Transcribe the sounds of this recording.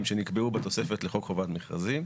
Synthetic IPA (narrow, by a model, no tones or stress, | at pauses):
mʃenikbeubet̪o̞se̞fe̞t̪leχo̞kχovat̪meχʁa̰zim